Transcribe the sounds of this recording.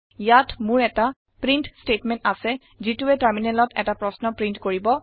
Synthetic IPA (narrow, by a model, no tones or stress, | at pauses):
jatʰmʊɹɛta | pɹintstetmɛ̃ntasɛ | zituɛtaɹminɛlɔtɛ̰tapɹɔsnɔpɹintkoɹibɔ